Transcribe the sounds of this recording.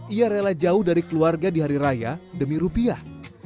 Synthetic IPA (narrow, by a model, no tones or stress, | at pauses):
ijaɾelad͡ʒaʊhdaɾikəluarɡadiɦaɾiɾajadəmiɾupiah